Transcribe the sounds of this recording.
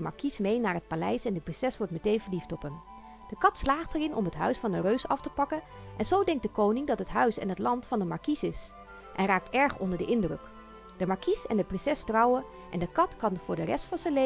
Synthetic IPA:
mɑ̰ɹkismejnaːɹɦət̚palɛjsɛndəprɪnsɛsʋɔɹtmətejnvəɹliftɔpəm | d̥əkɑtslaːχtəɹɪnʔɔ̰mɦətɦœ̰ɥsfɑnərøɥsɑftəpɑkən | ʔɛnzowdɛŋk̚dəkownɪŋdɑtɦətɦœɥsɛ̰nɦətlɑntfɑndəmɑɹkisɪs | ʔɛ̰nraːk̚tʰɛɹχɔndəɹdəʔɪndrɵk | d̥əmɑɹkisɛndəprɪnsɛstrɑwə | ʔɛ̰ndəkɑtkɑnvʊːɹdərɛstfɑnzənle

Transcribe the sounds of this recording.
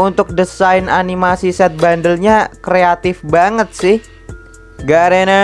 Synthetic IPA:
unt̪ʊk̚dəsaɪnanimasisɛt̪̚bandəlɲakɾeat̪ɪfbaŋət̪̚sɪh | ɡaɾena

